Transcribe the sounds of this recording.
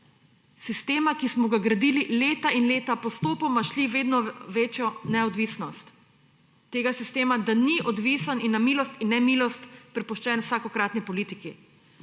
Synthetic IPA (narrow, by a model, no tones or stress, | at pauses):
sist̪eːmakismɔɡaɡɾad̪iːlileːt̪ainleːt̪apɔst̪oːpɔmaʃliʋeːd̪nɔʋeːt͡ʃjɔnɛɔd̪ʋisnɔst̪ː | eːɡasist̪eːmad̪aniʔɔd̪ʋisaninːamiːlɔst̪inːɛmiːlɔst̪pɾɛpɔʃt͡ʃɛːnwsaːkɔkɾaːt̪nipɔliːt̪iki